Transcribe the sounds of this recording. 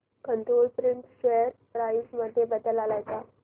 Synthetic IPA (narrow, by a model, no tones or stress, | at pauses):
kəɳʈ̪ɾolpɾiɳʈɕeəɾpɾajisməd̪ʱːjebəd̪əlalajt͡sa